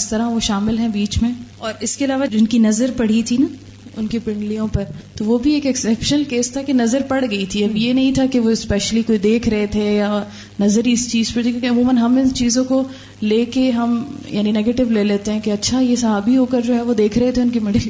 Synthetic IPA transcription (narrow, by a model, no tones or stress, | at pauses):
ɪst̪ɐɾaʋoʃaːmɪlɦɛ̃biːt͡ʃmẽɔːɾɪskeɐlaːʋad͡ʒɪnkinɐzəɾpɐɽ̤it̪ʰinaː | ʊnkepɪ̃ɳɖlijõpɐɾt̪oʋobʱieːkɛksɛːpʃəlkeːst̪ʰakenɐzəɾpɐɽ̤ɡɐit̪ʰiɐbjenɐɦĩt̪ʰakeʋoɪspɛːʃəlikoːid̪eːkʰɾɐɦet̪ʰeja | nɐzəɾiɪst͡ʃiːz̥pɐɾt̪ʰikjõkeɐmuːmənɦɐmɪst͡ʃiːzõko | leːkeɦɐmjʔa̰ːninɛːɡeːʈɪʋleːleːt̪eɦɛ̃keɐtːʃʰajesɐɦaːbiɦoːkəɾd͡ʒoːɦɛʋod̪eːkʰɾɐɦet̪ʰeʊnkimɪɖ